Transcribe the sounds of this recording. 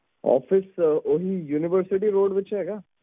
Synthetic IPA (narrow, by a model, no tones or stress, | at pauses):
ɔ̰ːfɪsoɦijuːnɪʋəɾsɪʈ̬iɾoːɖbɪt͡ʃɦeːɡaː